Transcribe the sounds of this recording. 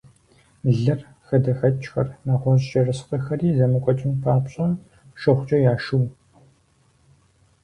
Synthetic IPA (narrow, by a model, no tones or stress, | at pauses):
ɮɐr | xɐdɐxɐt͡ʃʼxɐ̰rnaːʁʷɔʑt͡ʃɐrɨsqɐxɐriːzɐmɨkʷʼɔt͡ʃʼɪnpʰaːpɕʼɐn | ʃɐχʷt͡ʃʼɐjaːʃɨw